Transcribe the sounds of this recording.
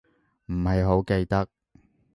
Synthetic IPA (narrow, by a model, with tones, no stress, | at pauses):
m̩˨˩hɐ˨jɦo˨˥wke˧jt̪ɐ˥k̚